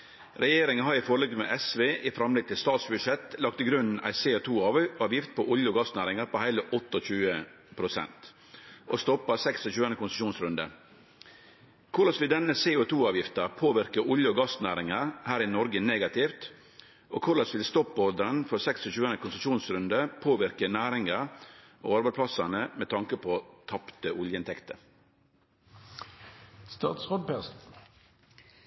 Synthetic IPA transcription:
ɾɛjeːɾɪŋənhɑɾɪfɔɾlɛɡmḛːʔɛsʋeːʔɪfɾɑmlɛɡ̚t̪ɪlst̪ɑːt̪sbʉd̪ʂɛt̪lɑk̚t̪ɪɡɾʉnn̩æ̰ɪseːʊt̪ʰuːɑɑːʋjɪft̪̚pʰɔʔʊljəɔɡɑst̪næːɾɪŋɑɾpɔhæɪləʔɔt̪ːɔçʉːə | pʰɾʊsɛ̰nt̪ | ʔost̪ɔpːɑsɛksɔçʉːənəkʊnsəʂuːnsɾʉnd̪ə̰ | kʰʊɾlɑsʋɪld̪ɛnəseːʊt̪ʰuːɑːʋjɪft̪ɑpʰoːʋɪɾkəʔʊljəɔɡɑsnæːɾɪŋɑɾhæːɾɪnɔɾɡəneːɡɑt̪ʰiːft̪ | oːkʰʊɾlɑsʋɪlst̪ɔpːɔɾd̪əɾənfɔɾsɛksɔçʉːənəkʊnsəʂuːnsɾʉnd̪əpʰoːʋɪɾkənæːɾɪŋɑ | ʔo̰ːɑɾbæspʰlɑsɑnəmɛt̪ʰɑŋkəpʰoːt̪ʰɑpt̪əʔʊljəɪnt̪ʰɛkt̪ə | st̪ɑ̰ːt̪sʁod̪̚pæs

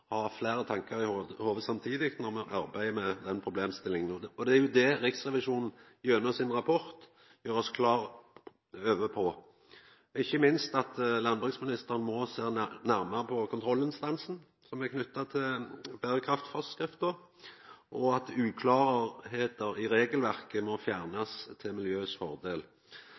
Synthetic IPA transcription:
hɑflæːɾət̪ʰɑŋkɑɾɪhohoːʋəd̪sɑmt̪ʰiːd̪ɪk̪nɔɾmɛʔɑɾbæɪəmɛd̪ɛnpʰɾʊbleːmst̪ɪlːɪŋənɔɔd̪ɛæɾjʊd̪ɛɾɪksʁɛʋɪʂuːnn̩ | jøːnəsɪnɾɑpʰɔɾt̪ | jøːɾɔskʰlɑːɾ | øːʋəpʰɔ | ɪçːəmɪnst̪ɑt̪lɑnbʉksmɪnɪst̪əʁən̩mɔseːnæʁməʁəpʰɔkʰʊnt̪ʰɾɔlːɪnst̪ɑnsn̩ | sɔmækʰnʉt̪ːɑt̪ʰɪlbæɾəkʰɾɑft̪fɔskɾɪft̪̚d̪oː | ʔɔɑt̪ʉːkʰlɑːʁheːt̪əɾɪɾeːɡəlʋæʁkəmɔfjæːʁnɑst̪ʰɪlmɪljøːsfɔʁd̪eːl

